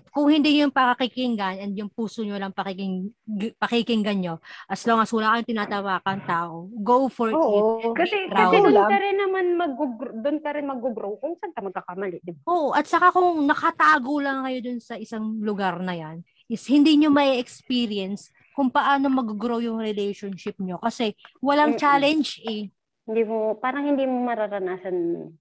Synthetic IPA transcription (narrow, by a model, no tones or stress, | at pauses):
kʊŋhɪnd̪iɲjʊŋpɐkɐkikɪŋɡanɐnd̪jʊŋpuːsoɲolɐŋpɐkɪkɪpɐkikɪŋɡɐnɲo̞ʔɐsloːŋɐswɐlaːkɐjoŋt̪ɪnaːt̪ɐwaːkɐŋt̪aːʔoɡowfoɹoikɐɛɡɾɐwɛʊkɐɾɪnːɐmanmɐɡʊɡɾod̪ʊnkɐɾɪnmɐɡʊɡɾowkʊŋsɐŋk̪ɐmɐɡ̚kakɐmɐlɪʔd̪ɪbaʔoːʔoʔɐt̪̚sɐkakʊŋnɐkɐt̪aːɡolɐŋkɐjo̞d̪ʊnsɐʔɪsaŋlʊɡaɾnɐjan | ʔɪshɪnd̪iːɲomɐʔiʔɛkspiːɾiɛns | kʊŋpɐʔaːno̞mɐɡʊɡɾowjʊŋɾɛlɛjʃonʃɪp̚ɲo̞kɐsɛwɐlaŋt͡ʃaːlɛnd͡ʒʔɛ | hɪnd̪imopaːɾɐŋhɪnd̪iːmomɐɾaɾɐnaːsɐn